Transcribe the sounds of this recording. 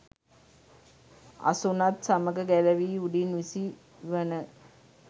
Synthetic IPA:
a̰sunat̪saməɡəɡæləʋiːuɖinʋisi | ʋənə

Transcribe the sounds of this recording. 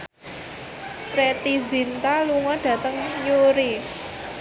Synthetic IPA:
pɾet̪izint̪aluŋɔɖ̥ä̤t̪əŋɲuɾi

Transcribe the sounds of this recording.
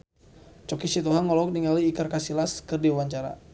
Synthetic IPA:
t͡ʃɔkisit̪uɦaŋɔlɔk̚niŋaliːkarkasilaskərdiwaɲt͡ʃaɾa̰

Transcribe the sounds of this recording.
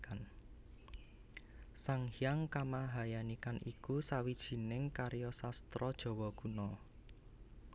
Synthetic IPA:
an | saŋhijaŋkamaɦajanikanʔikusawid̥ʒ̥i̤nɪŋkaɾjɔsast̪ɾɔd̥ʒ̥ɔ̤wɔɡ̥unɔ

